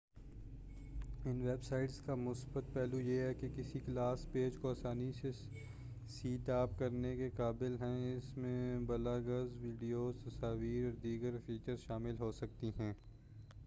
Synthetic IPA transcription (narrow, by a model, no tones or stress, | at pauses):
ɪnʋeːbsaːɪʈskamʊsbət̪̚pɛːlujeɦɛkekɪsiklaːspeːd͡ʒkoaːsaːnise | siːʈaːp̚kɐɾnekeqaːbɪlɦɛ̃ɪsmẽbɐlaːɡəzʋiːɖijot̪ɐsaːʋiːɾɔːɾd̪iːɡəɾfiːt͡ʃəɾzʃaːmɪlɦoːsɐk̚t̪iɦɛ̃ː